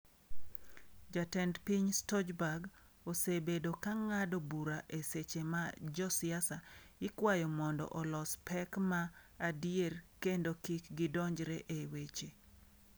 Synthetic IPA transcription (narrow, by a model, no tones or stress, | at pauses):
d͡ʒatɛndpiɲstɔd͡ʒbaɡ | osebedokaŋadobuɾaʔeset͡ʃemad͡ʒɔsɪasaɪkwajɔmɔndɔ̰ʔɔlɔspɛkmaːdijerkendokikɡɪdɔɲd͡ʒɾeʔewet͡ʃe